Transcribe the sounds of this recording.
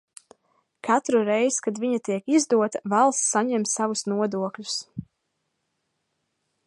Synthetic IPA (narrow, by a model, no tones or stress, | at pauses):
kʰat̪ɾuɾɛjskad̪viɲat̪iɛkizd̪uɔt̪avalˠsːaɲɛmsavusnuɔd̪uɔklʲu̥s